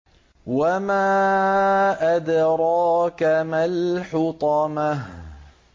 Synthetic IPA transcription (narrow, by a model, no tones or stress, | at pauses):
wamaː | ʔad̪ɾˤɑːkamalħʊt̪ˤɑmah